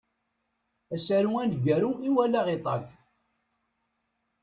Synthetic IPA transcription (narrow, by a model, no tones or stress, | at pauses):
æsæɾuænd̪ɡæɾuiwælæʁit̪ˤɑ̰ɡ